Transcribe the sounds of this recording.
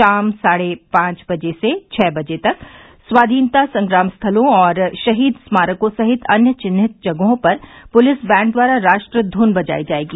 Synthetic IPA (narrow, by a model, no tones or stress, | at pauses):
aːmsaːɽepãːt͡ʃbɐd͡ʒeset͡ʃʰɛːbɐd͡ʒet̪ɐk | swaːd̪ʱiːnt̪asɐ̃ŋɡɾaːmst̪ʰɐlõɔːɾʃɐɦiːd̪smaːɾəkõsɐɦɪt̪ʰɐnjət͡ʃɪnːɪt̪̚d͡ʒɐɡɦõpɐɾpʊlɪsbɛ̃ːɳ̚d̪waːɾaɾaːʃʈɾəd̪ʱuːnbɐd͡ʒa̰ːid͡ʒaːeːɡiː